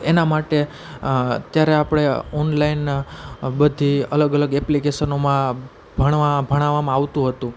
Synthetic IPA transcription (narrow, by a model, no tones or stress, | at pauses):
enamaʈe | ət̪jaɾeapɽ̃eɔnlain | bəd̪ʱiə̰ləɡələɡɛplikeʃənomã | bʱəɽʋãbʱəɽ̃aʋːamãaʋt̪ũɦət̪ũ